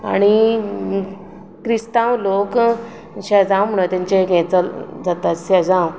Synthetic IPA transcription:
a̰ɽ̃i | kɾist̪ãwlok | ɕad͡zãwm̤əɽ̃ət̪ãɲt͡ɕeɡɛ̃t͡səd͡zat̪at̪ɕad͡zãw

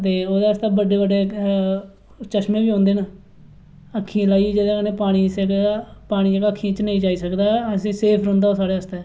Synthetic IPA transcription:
t̪eːoːd̪aːəst̪aːbəɖeːbəɖeː | t͡ʃəʃmẽːbiːõːnd̪eːna | əkʰːĩlaːiːd͡ʒed̪eːknẽːpaːɽ̃iːsekːpaːɽ̃iːkəkʰːĩːt͡ʃnəĩːd͡ʒaːiːsəkd̪aːəsĩːseːpʰɾõnd̪aːoːsaːɽeːəst̪ɛː

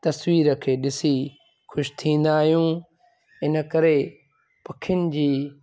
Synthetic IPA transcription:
t̪ɐswiːɾə̆kʰeːɗɪsi | xʰʊʃt̪ʰĩːn̆d̪aːɦijũː | ɪnə̆kɐɾe | pɐkʰɪjʊnɪ̆d͡ʑiː

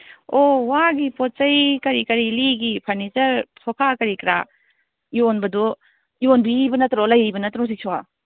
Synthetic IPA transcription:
owaɡipɔt̚t͡ʃɐjkɐɾikɐɾiliɡipʰɐɾnit͡ʃɐɾtʰɔpʰakɐɾikɾa̰ | jonbɐdɔ | jonbibɐnɐtɾolɐjbɐnɐtɾɔs̬ik̚sʰɔa

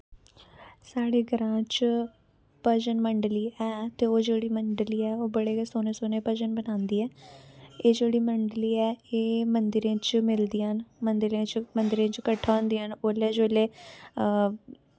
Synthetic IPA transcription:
saːɽeːɡəɾãːt͡ʃ | pəd͡ʒənməɳɖliːʔɛːt̪eːoːd͡ʒeːɽiːməɳɖliːɛːoːbəɽeːsoːnẽːsoːnẽːpəd͡ʒənbənaːnd̪iːɛː | eːd͡ʒeːɽiːməɳɖliːɛːeːmənd̪ɪɾẽːt͡ʃmɪld̪iːɦənmənd̪ɪɾẽːt͡ʃmənd̪ɪɾẽːt͡ʃkəʈʰːaːõnd̪iːɦənoleːd͡ʒoːleː

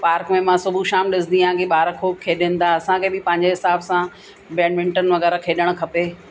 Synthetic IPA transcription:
paːɾkmẽmãsʊbʱuʃaːmɗɪsɪ̃nd̪iãːkeɓaːɾkʰoːkʰːeːɗɪ̃n̆d̪aɐsãkʰeːbɪpɐ̃ɦɪ̃ɲd͡ʑeɦɪsaːbsã | beːnʋɪ̃ɳʈənʋɐɣɛːɾakʰeːɗəɽ̃̆kʰɐpeː

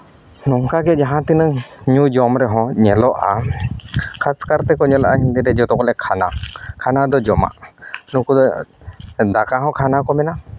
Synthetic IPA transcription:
nɔŋkaɡɛd͡ʒaɦãt̪inəŋɲud͡ʒɔmɾɛɦɔ̃ɲɛlɔʔa̰ | kʰaskaɾt̪ɛkɔɲɛlɔʔaɦind̪ɛɾɛd͡ʒɔt̪ɔkɔlɛkʰana̰kʰanad̪ɔd͡ʒɔma̰ʔnukud̪ɔ | d̪akaɦɔ̃kʰanakɔmɛna

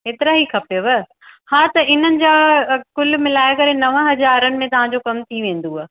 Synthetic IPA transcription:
ɦeːt̪ɪɾaɦikʰɐpjoʋɐ | hãːt̪ɐʔɪn̤ənɪ̆d͡ʑaːkʊlmɪlaːjkɐɾenɐʋə̃ɦɐzaːɾənɪ̆mẽt̪ɐʋ̤ãd͡ʑokɐmt̪ʰiʋẽːn̆d̪uaː

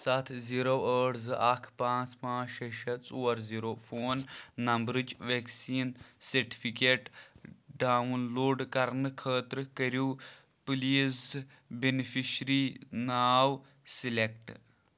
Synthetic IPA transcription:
sɐt̪ʰziɾowəːɽzɨʔɐkʰpãːt͡spãːʃɐʃɐt͡soːɐɾziɾoːfoːnːɐmbɾɨd͡ʒʋeksiːnsɐɾʈi̥fʰikeːʈɖaːwnloːɖkɐɾnɨkʰəːt̪ɾɨkɐɾuː | pliːz | benifiʃɾinaːw | silek̚ʈ

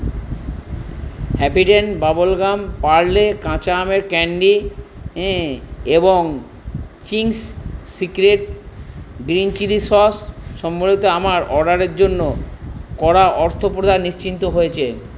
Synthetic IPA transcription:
hɛpiʈenbabolɡampaɾlekãt͡ɕameɾkɛɳɖi | eboŋ | t͡ɕiŋssikɾeʈ | ɡɾint͡ɕiɾisɔsʃɔmbolit̪oamaɾɔɖaɾeɾd͡ʑonːokɔɽaʔɔɾt̪ʰopɾod̪ʱanniʃt͡ɕint̪oɦojet͡ɕʰe

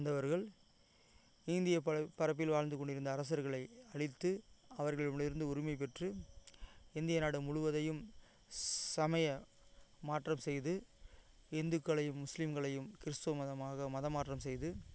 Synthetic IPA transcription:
nd̪ɐʋɐɾɣɐɭ | ɪnd̪ɪjɐpːɐɾɐp̬ːɪlʋaːɻnd̪ɯkːɔɳɖɪɾɯnd̪ɐːɾɐs̬ɐɾɣɐɭɐɪɐɭɪt̪ːɯɐʋɐɾɣɐɭmɭɪɾɯnd̪ɯʊɾɪmɐɪp̬ɛʈrɯ | ɪnd̪ɪjɐnaːɽɯmʊɻʊʋɐðɐjɯm | sɐmɐjɐ | maːʈrɐmsɛjðɯ | ɛnd̪ɯkːɐɭɐjɯmːʊslɪmɡɐɭɐjɯmkɪɾɯst̪ɯʋɐmɐðɐmaːɣɐmɐðɐmaːʈrɐmsɛjðɯ

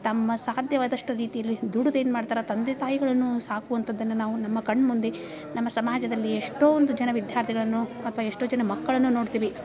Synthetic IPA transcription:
t̪ɐmːɐsaːd̪jɐʋaːd̪ɐʂʈɐɾiːt̪ijɐlːid̪uɽud̪e̞ːnmaːɖt̪aːɾɐt̪ɐnd̪et̪aːjiɡɐɭɐnːusaːkuʋɐnt̪ʰɐd̪ːɐnːɐnaːʋunɐmːɐkɐɳːmund̪e̞ | nɐmːɐsɐmaːd͡ʒɐd̪ɐlːieʂʈoːond̪ud͡ʒɛnɐʋid̪ʱjaːɾt̪ʰiɡɐɭɐnːuɐt̪ʰɐʋaːeʂʈo̞ːd͡ʒɛnɐmɐkːɐɭɐnːunoːɽt̪iːʋi

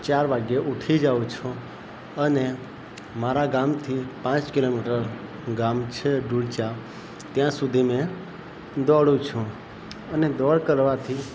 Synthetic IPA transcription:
t͡ʃaɾʋaɡjeʔuʈʰid͡ʒaũt͡ʃʰũ | əne | maɾaɡamt̪ʰipãt͡ʃkilomiʈəɾ | ɡamt͡ʃʰeɖuɽt͡ʃa | t̪jãsud̪ʱimeɛ̃ | d̪ɔɽũt͡ʃʰũ | əned̪ɔɽkəɾʋat̪ʰi

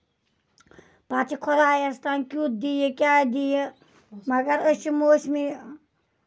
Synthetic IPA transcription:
pat͡ʃʰikʰɔɾaːjɐst̪ankʲut̪̚d̪ijekjad̪ije | mɐɡɐɾət͡ʃimosmi

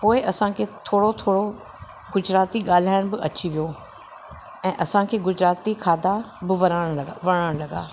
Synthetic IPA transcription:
poːɪʔɐsãkʰeːt̪ʰoːɽot̪ʰoːɽo | ɡʊd͡ʑɾaːt̪iɠaːl̤aːɪɽ̃bɪʔɐt͡ɕʰiʋijo | ɛ̃ːʔɐsãkʰeːɡʊd͡ʑɾaːt̪ikʰaːd̪abɪʋɐɽ̃ɐʋɐɽ̃əɽ̃lɐɡa̰ː

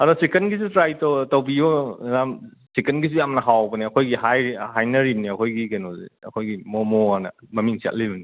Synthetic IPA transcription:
ɐɾusekenɡizutɾajtotɐwbionam | sekenɡizujamnɐɦawbɐniɐkʰojɡihajhajnɐɾimniɐkʰojɡikenozḭɐkʰojɡimomɔanɐmɐmiŋsia̰ʔ̚libɐni

